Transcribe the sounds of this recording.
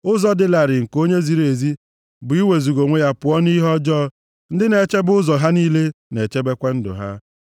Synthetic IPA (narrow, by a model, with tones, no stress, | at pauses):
ʊ˦zɔ˦dɪ˦la˨ɾɪ˨ŋ̩˨ko˦ɲe˦zi˨ɾe˨zi˦ | bʊ˨i˦we˨zu˨ɡo˨ŋʷe˦ja˦pʊ˨ɔ˦ni˦ɦɔ˦d͡ʒɔː˦ | n̩˦dɪ˦ne˨t͡ʃe˦bʊ˦zɔ˨ɦa˦niː˦le˦ne˨t͡ʃe˦be˦kʷa˦n̩˦dʊ̰˨ɦa̰˦